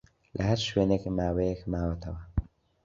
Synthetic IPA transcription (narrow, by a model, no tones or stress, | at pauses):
lʔɐhɐɾʃweːnekmaːwejekmaːwɐt̪ʰɐwɐ